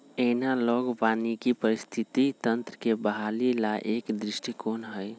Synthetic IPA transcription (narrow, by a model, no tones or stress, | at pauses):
enaloːɡbaːnikipəɾɪst̪ʰɪt̪it̪ənt̪ɾəkebəɦaːlilaʔeːkd̪ɾɪʃʈikoːnɦəj